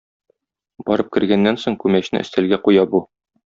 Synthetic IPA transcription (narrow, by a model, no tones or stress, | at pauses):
bɒɾɤp̚kɘ̆ɾɡænːænsoɴkʉmæɕnɘ̰ɘ̆st̪ælɡæqujɑbu